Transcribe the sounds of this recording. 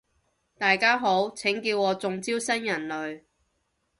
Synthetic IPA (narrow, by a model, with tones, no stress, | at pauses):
t̪aː˨jkaː˥ɦo˨˥wt͡sʰɪ˨˥ŋkiː˧wɔː˨˧t͡sʊ˨ŋt͡siː˥wsɐ˥njɐ˨˩nlɵ˨ɥ